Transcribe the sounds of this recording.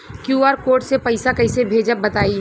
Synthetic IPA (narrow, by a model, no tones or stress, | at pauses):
kjuːaːɾkoːɾʈsepəɪsakəɪsebʱeːd͡ʒəbət̪aːi